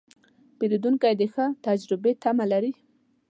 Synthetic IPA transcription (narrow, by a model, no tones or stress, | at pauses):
peɾid̪uŋkajd̪əxət̪ad͡ʒɾɪbet̪amalaɾi